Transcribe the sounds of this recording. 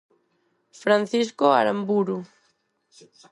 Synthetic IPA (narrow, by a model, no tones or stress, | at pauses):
fɾan̟θiskoa̰ɾambuɾu